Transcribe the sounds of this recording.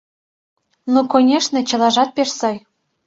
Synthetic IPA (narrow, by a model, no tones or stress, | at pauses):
nokonʲeʃnɤ̆t͡ɕɤ̆lɑʒɑt̪̚pʲeʃsɑj